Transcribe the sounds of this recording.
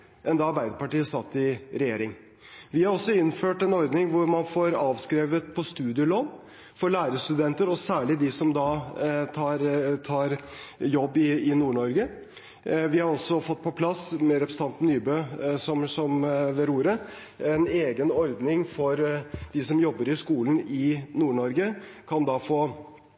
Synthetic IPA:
ɛnd̪ɑɑɾbæɪd̪əpɑʈiːəsɑt̪ːɪɾɛjeːɾɪŋ | ʋɪhɑɾɔsːɔɪnːføːʈɛnɔɾd̪nɪŋʋʊɾmɑnfoːɾɑːʋskɾeːʋət̪pʰɔst̪ʉːd̪ɪəloːb | fɔɾɭæːɾəst̪ʉd̪ɛnt̪əɾɔsæːɭɪd̪ɪsɔmd̪ɑt̪ʰɑːɾt̪ʰɑːɾjɔbːɪɪnuːɳɔɾɡə | ʋɪhɑɾɔsɔfɔt̪̚ːpʰɔpʰlɑsmɛɾɛpɾəsət̪ʰɑnt̪nyːbøːsɔmsɔmʋɛɾuːɾə | ɛneːɡənɔɾd̪nɪŋfɔɾd̪̥ɪsɔmjɔbːəɾɪskuːln̩ɪnuːɳɔɾɡəkʰɑnd̪ɑːfoː

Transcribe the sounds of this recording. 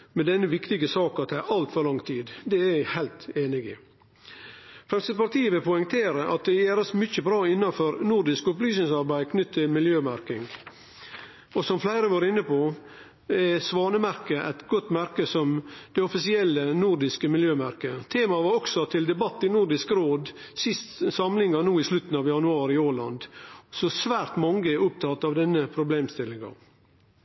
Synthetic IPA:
mɛd̪ɛnːəʋɪkt̪ɪɡəsɑːkɑt̪ʰːæɪʔɑlt̪fɔɾlɑŋt̪ʰiːd̪d̪ɛæɪhæɪlt̪eːnɪɡɪ̰ | fɾɛmsɪd̪pɑɾt̪ʰiːəʋɪlpʰʊɪŋt̪ʰeːɾəʔɑ̰t̪̚d̪ɛjeːɾəsmʏçəbɾɑːɪnːɑfɔɾnuɾɖ̪ɪskʊplyːsɪŋsɑɾbæɪkʰnʏt̪ʰːɪlmɪljøːmæɾkɪŋɡ | ɔsɔmflæɪɾəʋɑːɾəɪnːəpʰo | ɛsʋɑːnəmæɾkəʔæ̰ɪt̪ɡɔt̪ːmæɾkəsɔmd̪̥ɛɔfɪsɪɛlːənuɾɖɪskəmɪljøːmæɾkət̪ʰeːmɑʋɑːɾɔksɔt̪ʰɪld̪ɛbɑt̪ːɪnʊɾɖɪskɾoːd̪ | sɪst̪sɑmlɪŋɑnuːɪslʉt̪ːn̩ɑʋjɑnʉɑːɾɪoːlɑ̰nd̪sɔsʋæːɾt̪mɑŋɡəɛʊp̚t̪ʰɑt̪ːɑʋd̪ɛnːəpʰɾʊbleːmst̪ɪlːɪŋɑ̰

